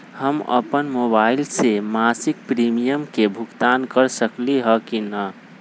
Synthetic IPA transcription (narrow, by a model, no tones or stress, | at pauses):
həmə̰pənmobailsemasik̚pɾimijəmkebʱukt̪ankəɾsəkliɦəkinə